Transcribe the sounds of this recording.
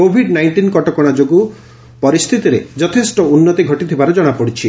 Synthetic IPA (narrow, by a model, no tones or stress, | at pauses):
kobʱiɖnajɳʈinkɔʈɔkɔɽ̃ad͡ʒoɡu | pɔɾist̪ʰit̪iɾed͡ʒɔt̪ʰesʈɔunːɔt̪iɡʱɔʈit̪ʰibaɾɔd͡ʒɔɽ̃apɔɽit͡ʃʰi